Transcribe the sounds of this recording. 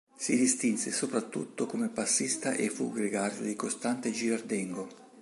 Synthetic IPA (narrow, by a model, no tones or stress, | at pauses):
sid̪ist̪insesopɾat̪ːṵt̪ːokomepasːist̪aʔefːṵɡɾiɡard̪o̰d̪ikost̪ant̪ed͡ʒiɾard̪ɛŋɡo